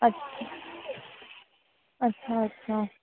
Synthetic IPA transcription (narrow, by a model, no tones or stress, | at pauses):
ɐtːʃʰa | ɐtːʃʰaɐtːɕʰa